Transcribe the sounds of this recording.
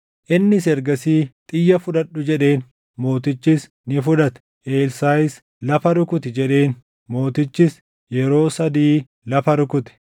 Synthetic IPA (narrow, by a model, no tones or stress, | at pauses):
ʔɪnːɪsɛɾɡɐsiːt̪ʼɪjːɐfʊᶑɐᶑʊd͡ʒɛᶑe̞ːn | mo̞ːt̪ɪt͡ʃːɪs | nɪfʊᶑ̪ɐt̪ɛ̥ | ʔe̞ːlsaːjɪs | lɐfɐɾʊkʊt̪ɪd͡ʒɛᶑe̞ːn | mo̞ːt̪ɪt͡ʃːɪs | jɛɾo̞ːsɐd̪iː | lɐfɐɾʊkʊt̪ɪ̥